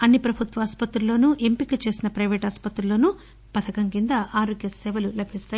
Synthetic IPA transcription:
ɐnːipɾɐbʱut̪ʋɐːspɐt̪ɾulo̞ːnuʔe̞mpikɐt͡ʃe̞ːsinɐpɾɐjʋeːʈɐːspɐt̪ɾulo̞ːnu | pɐt̪ʰɐkɐŋkind̪ɐʔaːɾoːɡjɐsɛːʋɐlulɐbʱist̪aː

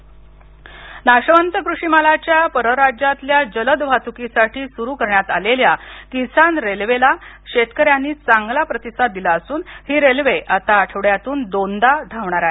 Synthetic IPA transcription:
naɕʋənt̪əkɾuʂimalat͡ɕjapəɾəɾad͡ʑat̪ljad͡ʑələd̪ʋat̪ukisaʈʰiːsuɾuːkəɾɳjat̪aleljakisanɾelʋelaɕet̪kəɾjanːiːt͡saŋɡlapɾət̪isad̪̚d̪ilaəsuːnhiːɾelʋeʔat̪aːʈʰeʋɽjat̪uːnd̪ond̪ad̪ʱaʋɳaɾaɦe

